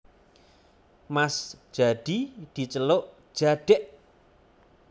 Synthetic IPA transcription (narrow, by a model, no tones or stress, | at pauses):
masd̥ʒ̥a̤ɖ̥id̪̥i̤t͡ʃəloʔd̥ʒ̥aɖ̥ɛʔ